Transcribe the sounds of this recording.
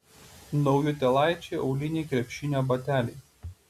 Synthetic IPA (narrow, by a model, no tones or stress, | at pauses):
nɔʊjʊt̪ʲɛlˠɑˑɪt͡ʃʲɛɪʔɒʊlʲɪnʲɛɪkɾʲɛpʲʃʲɪnʲoːbɐt̪ʲæːlʲɛɪ